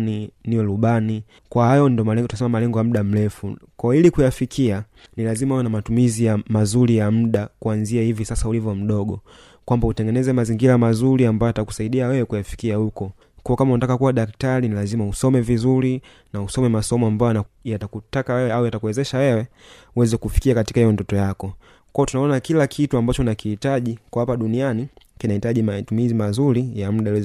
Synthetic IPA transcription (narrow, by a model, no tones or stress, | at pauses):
niniwɛluɓani | kwahajɔndɔmɛtuasɛmamalɛŋɡɔjam̩ɗam̩lɛfukɔilikujafikʰia | nilazimawɛnamatumizijamazuɾijam̩ɗakuanziahivisasaulivjɔm̩ɗɔɡɔ | kwambautɛŋɡɛnɛzɛmaziŋɡilamazuɾiambajɔjataku̥saiɗiawɛwɛkujafi̥kiahukɔ | kɔɔkamaunatakakuwaɗaktaɾinilazimausɔmɛvizuɾi | nausɔmɛmasɔmɔambajɔaajatakutakawɛwɛaujatakuwɛzɛʃawɛwɛ | uwɛzɛkufi̥kiakati̥kaijɔndɔtɔjakɔ | kɔɔtunaɔnakilakʰituambat͡ʃɔnakihitaʄikwaapaɗuniani | kinahitaʄimatumizimazuɾijam̩ɗaɛz